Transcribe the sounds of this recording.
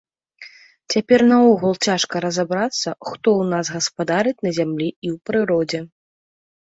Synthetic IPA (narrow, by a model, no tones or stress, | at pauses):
t͡sʲapʲɛrnɐɔɣulˠt͡sʲaʂkɐɾɐzabɾat̪sːɐxt̪ɔwnazɣɐspad̪aɾɨt͡sʲnɐzʲamlʲiiwpɾɨɾɔd͡zʲɛ